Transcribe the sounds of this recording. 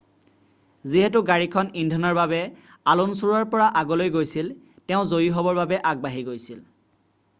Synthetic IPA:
ziɦɛtuɡaɹikʰɔnindʱɔnɔɹbabɛ | alunsuɹaɹpɔɹaʔaɡɔlojɡojsil | tɛʊ̃zojiɦɔbɔɹbabɛʔaɡ̚baɦiɡojsil

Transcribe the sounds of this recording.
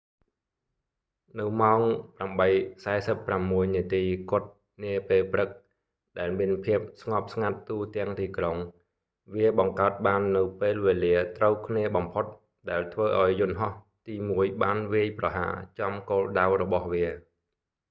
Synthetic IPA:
nɨwmaɔŋpramɓəjsaɛsəpːramːuəjniət̪iːkŏət̪̚ | niəpeːlprɨk̚ | ɗaɛlmiənpʰiəp̚sŋɑp̚sŋat̪ːuːt̪ɛ̆əŋt̪iːkroŋ | ʋiəɓɑŋkaət̪̚ɓaːnːɨwpeːlʋeːliət̪rəwkʰniəɓɑmpʰot̪̚ | ɗaɛlt̪ʰʋəːʔaɔjːʊ̆nɦɑh | t̪iːmuəjɓaːnʋiəjprɑɦa̰ːt͡ɕɑmkoːlɗawrɔɓɑhʋiə

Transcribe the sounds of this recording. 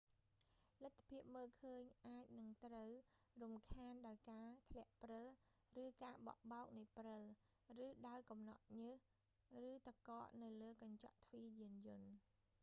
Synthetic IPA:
lɨt̪ʰːḁpʰiəp̚məːlkʰəːɲʔaːc̚nɨŋt̪rəw | rumkʰaːnɗaɔjkaːt̪ʰlɛ̆əʔprɨl | rɨːkaːɓɑ̰ʔɓaɔk̚nɨjprɨl | rɨːɗaɔjkɑmnɑ̰ʔ̪̚ɲɨəh | rɨːt̪akɑːʔnɨwləːkɑɲt͡ɕɑ̰ʔt̪ʰʋiːjiənjʊ̆ən

